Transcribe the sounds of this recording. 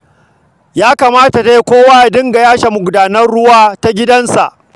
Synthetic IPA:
jaː˦kaː˨maː˦ta˨ta˦je˦kʷoː˦waː˦a˨dɪ˦ŋɡa˨jaː˦ʃa˨mʊ˨ɡʷʊ˨daː˨nɐ˦rɽʊ˦waː˦ta˦ɡʲɪ˦dɐ˦nsa̰˨ʔ

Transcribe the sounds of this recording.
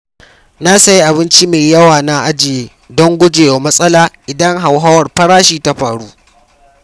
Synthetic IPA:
na˦sɐ˦ji˦ʔa˨bɪ˦nt͡ʃi˦meː˨jɐ˦waː˨na˦ʔa˦d͡ʒɪ˨jeː˨ | dɔ˦ŋɡʷʊ˦d͡ʒeː˨jo˨mɐ˦sʼɐ˦laː˨ʔɪ˨dɐ˦ŋɦa˨wɦa˦wɐ˨rɸɐ˦ɾaː˦ʃiː˦ta˦ɸaː˨ɽuː˦ʔ

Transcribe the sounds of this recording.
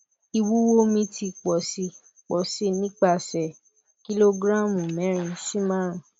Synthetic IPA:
i˧wu˦wo˦mĩ˧ti˧k͡pɔ˨si˧ | k͡pɔ˨si˦nĩ˦k͡pa˦˧˨sɛ˨ | ki˦lo˧ɡɾã˦˨mũ˨mɛ̃˨˦ɾ̃ĩ˧si˦mãː˦ɾ̃ã˨

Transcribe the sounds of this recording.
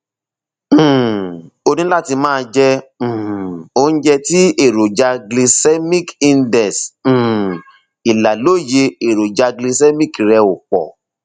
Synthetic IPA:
o˧nĩ˦la˦˨ti˧mãː˦˧d͡ʒɛ̃˦˧˨ | o˧˦n̩˦d͡ʒɛ˧ti˦e˦˨ɾo˨d͡ʒa˧ɡle˧sɛ˦mĩ˦kĩ˧ndɛ˨s̩˨ | i˨la˨lo˦˨je˧e˨ɾo˨d͡ʒa˧ɡle˧sɛ˦mĩ˦˨ki˨ɾɛ˧o˨k͡pɔ̰˨

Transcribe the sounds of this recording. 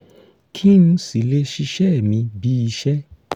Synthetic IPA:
kʰi˦nũ˧si˨le˦ʃi˧ʃɛ˦˨mĩ˧bi˨˦i˧ʃɛ˦

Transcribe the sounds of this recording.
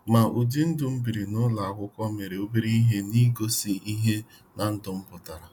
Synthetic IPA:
ma˨ʔu˨di˦n̩˦dʊ˨m̩˦bi˨ɾi˨nʊ˦la˨a˨kʷʊ˦kɔ˦me˨ɾe˨o˦bi˦ɾi˦i˦ɦe˦ni˦ɡo˦si˦i˦ɦe˦ | na˨n̩˦dʊ˨m̩˦pʊ˨ta˨ɾa˨

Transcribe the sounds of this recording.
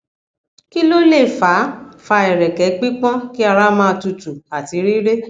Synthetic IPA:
ki˦lo˦le˦˨fa˨˦fa˧ɛ˨ɾɛ˨kɛ˨˦k͡pi˦k͡pã˦ki˦a˧ɾa˦mãː˦˧tu˧tu˨a˨ti˨˦ɾi˦ɾe˦

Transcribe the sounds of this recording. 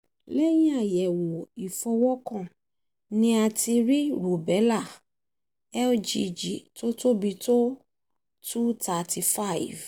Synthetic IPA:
lɛ˦j̃ĩ˦a˦˨jɛ˨wɔ˨i˨fɔ˧wɔ˦kã˦˨ | nĩ˦a˧ti˧ɾi˦ɾo˨bɛ˨˦la˦˨ | ɛ˦d͡ʒi˧d͡ʒi˨to˦to˦bi˧to˦ | tu˦ta˨ti˧fa˦˨i˨v

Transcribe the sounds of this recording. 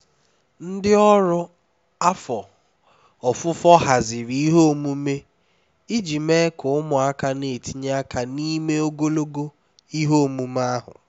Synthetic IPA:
n̩˦dɪ˦ɔ˦ɾʊ˦ | a˦fɔ˨ | ɔ˨fʊ˦fɔ˦ɦa˨zɪ˨ɾi˦ɦo˦˨mu˦me˦ | i˦d͡ʒi˨me˦kʊ˨ʊ˦mʊ˨a˦ka˦ne˨ti˦ɲ˦a˦ka˨ni˦me˦o˦ɡo˦lo˦ɡo˦ | i˦ɦo˦˨mu˦m˦a˦ɦʊ̰˨

